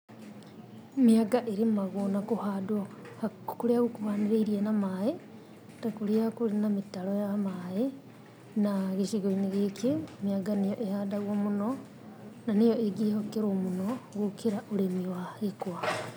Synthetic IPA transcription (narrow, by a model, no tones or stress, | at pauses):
miaɡaʔeɾimaɣonakuhadwohakuɾeaɣukuhaneɾeiɾianamae | takuɾeakuɾinamitalojamae | naɣeʃiɣoineɣekʰemiaɡanejoʔehadaɣwomuno | nanejoeɡihokeɾomunoɣokʰeɾaʔoɾemiwahekwa